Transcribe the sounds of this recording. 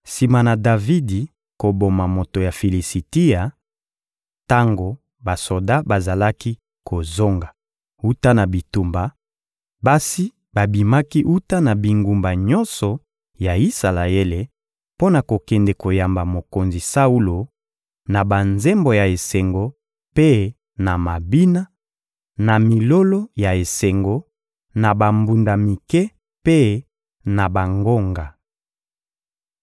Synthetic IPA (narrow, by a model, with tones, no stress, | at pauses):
si˨ma˨na˨da˨vi˦di˨ | ko˨bo˨ma˨mo˨to˨ja˨fi˨li˨si˨ti˦a˨ | ta˦ŋɡo˨ | ba˨so˨da˦ba˨za˨la˦ki˦ | kʰo˨zo˦ŋɡa˨ | u˦ta˦na˨bi˨tu˨mba˨ | ba˦si˦ | ba˨bi˨ma˦ki˦ʔu˦ta˦na˨bi˨ŋɡu˨mba˨ɲɔ˦nsɔ˨ | ja˨i˦sa˨la˨e˦le˨ | po˦na˨ko˨kɛ˨ndɛ˨ko˨ja˨mba˨mo˨ko˨nzi˨sa˦u˦lo˨ | na˨ba˨nze˦mbo˨ja˨e˨se˨ŋɡo˨ | pe˦ | na˨ma˨bi˦na˦ | na˨mi˨lo˦lo˦ja˨e˨se˨ŋɡo˨ | na˨ba˨mbu˨nda˨mi˨kɛ˦ | pe˦ | na˨ba˨ŋɡo˦ŋɡa˨